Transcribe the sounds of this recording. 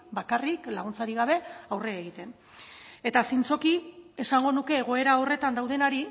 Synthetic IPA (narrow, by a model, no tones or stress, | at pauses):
bakariklaɣ̞unt͡saɾiɣaβ̞e̞awre̞aeɣ̞it̪e̞n | e̞t̪asint͡so̞kie̞saŋɡo̞nuke̞ːɣ̞o̞e̞ɾaore̞t̪and̪awð̞e̞naɾi